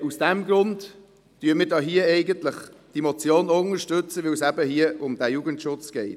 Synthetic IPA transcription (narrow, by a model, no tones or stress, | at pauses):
usd̥æmɡɾʊnd | tyːəmɪːɾdɑːɦiəɛɪɡənt̪ləχd̥imɔt͡sjoːnʊŋəʃtʉt͡səʋewsæbəhiəʊmd̥̪æjuɡəntʃʊt͡sɡ̥ɛɪt